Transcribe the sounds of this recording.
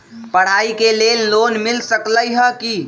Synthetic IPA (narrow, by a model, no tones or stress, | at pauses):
pəɽ̤aːikeleːlloːnmɪlsəkləjɦəki